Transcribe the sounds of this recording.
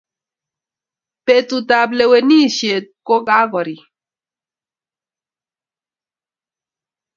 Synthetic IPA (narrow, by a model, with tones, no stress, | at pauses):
pe˨t̪u˨ta˨ble˨we˨ni˦ʃje˨t̚ko˦ka˦ɡɔ˨ɾi˨